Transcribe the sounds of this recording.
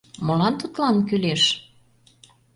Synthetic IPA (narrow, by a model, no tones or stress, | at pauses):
mɤ̆lɑnt̪ut̪lɑnkyleʃ